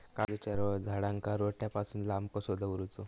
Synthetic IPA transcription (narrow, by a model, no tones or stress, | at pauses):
kad̪ut͡ɕaɾʋɔd͡zʱaɽãŋkaɾoʈjapasuːnlambkɔsod̪ʱəʋɾut͡so